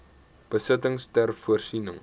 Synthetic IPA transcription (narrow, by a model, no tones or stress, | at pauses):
b̥əsətəŋstærfuərsinə̰ŋ